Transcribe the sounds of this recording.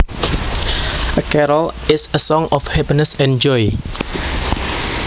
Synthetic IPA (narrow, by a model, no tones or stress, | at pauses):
ʔəkɛɾəlɪsəsɔ̃ŋɔfhæpinəsɛ̃nd͡ʒɔj